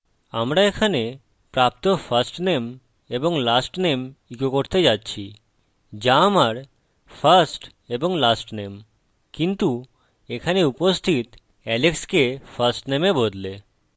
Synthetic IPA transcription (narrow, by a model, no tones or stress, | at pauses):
amɾaekʰane | pɾap̚t̪ofʰaɾsʈnem | eboŋlasʈnemikokoɾt̪ed͡ʑatːɕʰi | d͡ʑamaɾ | fʰəɾsʈ | eboŋlasʈnem | kint̪u | ekʰaneupost̪ʰit̪ | ɛlekskefɐɾsʈnemebod̪le